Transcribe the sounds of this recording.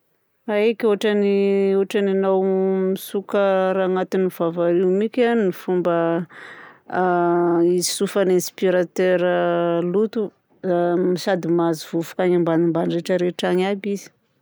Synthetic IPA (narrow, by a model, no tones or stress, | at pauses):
aekʲuaʈ͡ʂaniuaʈ͡ʂananawmisukəɾaŋat̪iniv̥avaɾimikʲannifumbə | isufanenspiɾat̪eɾəlut̪u | misad̪imazivufu̥kaɲambanimbanɾeʈ͡ʂəɾeʈ͡ʂaŋabizi̥